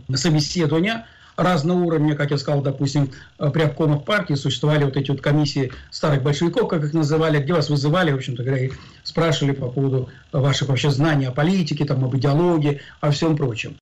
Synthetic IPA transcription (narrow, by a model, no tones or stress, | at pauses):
səbʲɪsʲːe̞d̪əvənʲɪə | raznəjəuɾəvnʲəkakjaskɐzalˠd̪ɐpusʲtʲɪmpɾʲɪɐpko̞məfpartʲɪːsʊɕɪst̪vɐvalʲɪvo̞t̪ɛtʲɪvo̞t̪kɐmʲisʲːɪɪst̪aɾɨɣbəlʲʂɨvʲɪko̞fkakɨxnəzɨvalʲɪɡdʲe̞vasvɨzɨvalʲɪvo̞pɕːɪmt̪əɡəvɐɾʲai | spɾaʂɨvəlʲɪpɐpo̞vəd̪ʊ | vaʂɨxvɐpɕeznanʲɪjɐpɐlʲitʲɪkʲɪt̪amɐbɨdʲɪɐlˠoɡʲɪː | ɐfsʲo̞mpɾo̞t͡ɕɪ̰m